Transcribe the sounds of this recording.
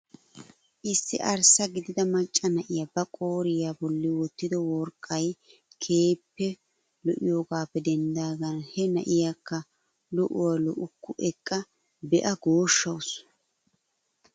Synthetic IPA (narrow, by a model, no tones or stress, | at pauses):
ʔɪsːɪʔɐɾsɐɡɪd̪ɪd̪ɐmɐt͡ʃʼːɐnɐʔɪjabɐkʼo̞ːɾɪjabɔlːɪwɔt̪ːɪd̪ɔwɔɾkʼːɐjkʰe̞ːpːɛ | lɔʔɪjo̞ːɡaːpːɛd̪ɛnd̪aːɡɐnhɛnɐʔɪjakːɐ | lɔʔʊwalɔʔʊkːʊʔɛkʼːɐ | bɛʔɐɡo̞ːʃːɐws